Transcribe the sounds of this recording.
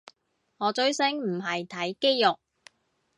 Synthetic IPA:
ŋɔː˨˧t͡ʃɵ˨˥ɥsɪ˥ŋm̩˨˩ɦɐ˨jt̪ʰɐ˨˥jke˥jjʊ˨k̚

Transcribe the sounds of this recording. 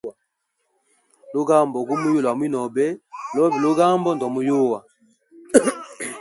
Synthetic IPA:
lo˦ɡa˦˨mbɔ˨ɡu˦mu˦jo˦˨lwa˨mwi˦nɔ˨bɛ˦lɔ˦bi˨lo˦ɡa˦mbɔ˦ndɔ˨mu˨˦jo˦wa˨

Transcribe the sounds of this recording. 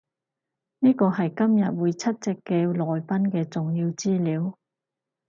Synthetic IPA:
niː˥kɔː˧ɦɐ˨jkɐ˥mjɐ˨t̚wuː˨˧jt͡sʰɐ˥t̚t͡sɛ˨kːeː˧lɔː˨jpɐ˥nkɛː˧t͡sʊ˨ŋjiː˧wt͡siː˥liː˨˧w

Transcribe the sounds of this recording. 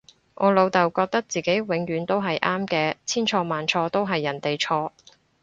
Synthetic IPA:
ŋʔɔː˨˧lo˨˧wt̪ɐ˨˩wkɔː˧k̚t̪ɐ˥k̚t͡siː˨˩ke˨˥jwɪ˨˥ŋjyː˨˧nt̪o˥wɦɐ˨jʔaː˥mkɛː˧t͡sʰiː˥nt͡ʃʰɔː˧maː˨nt͡ʃʰɔː˧t̪o˥wɦɐ˨jːɐ˨˩nt̪e˨jt͡ʃʰɔː˧

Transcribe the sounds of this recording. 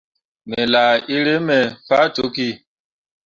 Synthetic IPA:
mɛ˨la˨i˦ɾe˦mɛ˨fa˦to˨˦ki˦˨

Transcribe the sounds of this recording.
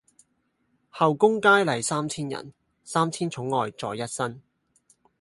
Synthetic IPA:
hɐ˨wkʊ˥ŋkaː˥jlɐ˨˩jsaː˥mt͡sʰiː˥njɐ̰˨˩n | saː˥mt͡sʰiː˥nt͡sʰʊ˨˥ŋːɔː˨jt͡sɔ̰ː˨˧jːɐ˥t̚sɐ˥n

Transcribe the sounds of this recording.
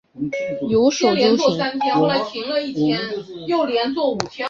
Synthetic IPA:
jo˧˥ʊʂljɛo˧˥t͡swɔ˥˩sa˥nt̪ʰjɛ˥nxwɔ˥˩la˧˥ɪt͡ɕʰi˧˥lə˥˧i˥˩ttʰjɛ˥njo˥˩ʊljɛ˧˥nt͡swɔ˥˩u˨˩t͡ɕ̪ʰjɑ˥

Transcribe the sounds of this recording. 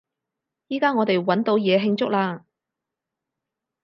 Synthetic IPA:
jiː˥kaː˥ŋɔː˨˧t̪e˨jwɐ˨˥nt̪o˨˧wjɛː˨˧ɦɪ˧ŋt͡sʊ˥k̚laː˧

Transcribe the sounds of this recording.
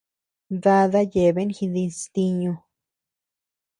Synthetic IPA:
ða˧ða˦je˨βe˦nxi˧ði˧st̪i˧ɲũ˧

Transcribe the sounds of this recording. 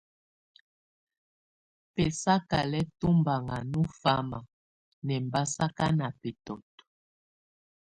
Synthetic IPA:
pɛ˨sa˦ka˨lɛ˦tu˦mba˨ŋa˨nu˦fa˦ma˨ | nɛ˨mba˦sa˦ka˦na˨pɛ˨tɔ˨t

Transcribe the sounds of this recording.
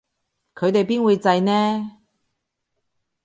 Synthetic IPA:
kʰɵ˨˧ɥt̪e˨jpiː˥nwuː˨˧jt͡sɐ˧jnɛː˥

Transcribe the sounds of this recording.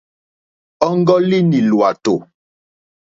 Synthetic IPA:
ɔ˦ŋ˦ɡɔ˦li˦ni˨lwa˨to˨

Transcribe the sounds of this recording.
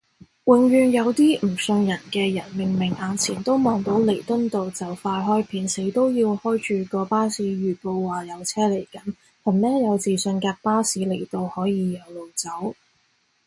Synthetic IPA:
wɪ˨ŋɥyː˨njɐ˨˧wt̪iː˥m̩˨˩sɵ˧ŋjɐ˨˩nkɛː˧jɐ˨˩nmi˨˩ŋmɪ˨˩ŋʔaː˨nt͡sʰiː˨˩nt̪o˥wmɔː˨˧ŋt̪o˨˥wle˨˩jt̪ɵ˥nt̪o˨wt͡sɐ˨wfaː˧jɦɔː˥jpʰiː˨˧˥nse˨˥jt̪o˥wjiː˧whɔː˥jt͡ʃyː˨kɔː˧paː˥siː˨˥ɥyː˨˩po˧wːaː˨˩jɐ˨˧wt͡sʰɛː˥le˨˩jkɐ˨˥n | hɐ˨˩mnɛː˥jɐ˨˧wt͡siː˨sɵ˧nkaː˧k̚paː˥siː˨˥le˨˩jt̪o˧whɔː˨˥jiː˨˧jɐ˨˧wlo˨wt͡sɐ˨˥w

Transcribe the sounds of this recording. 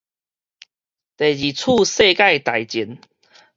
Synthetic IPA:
t̪e˨˩jd͡ʑi˨˩t͡sʰu˥˧se˥˧ka˥˧˨jt̪a˨jt͡ɕi˨˦n

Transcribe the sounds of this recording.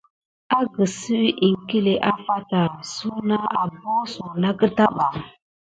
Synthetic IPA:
a˦ɡə˨si˦ʔi˨ŋ˨ki˦le˨ʔa˦fa˦ta˨su˦na˦a˨bo˦su˨na˦kə˦ta˦ɓa˨

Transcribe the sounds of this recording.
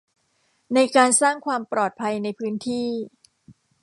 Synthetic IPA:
na˧jkaː˧nsaː˥˩ŋkʰwaː˧mpɾɔː˨˩t̪̚pʰa˧jna˧jpʰɯː˦˥nt̪ʰiː˥˩

